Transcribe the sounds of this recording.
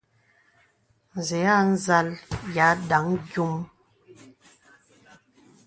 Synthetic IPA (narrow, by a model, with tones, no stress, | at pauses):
n̩˨zɛ˨˦a˦˨n̩˦za˦lja˨˦da˨˦ŋɡju˦m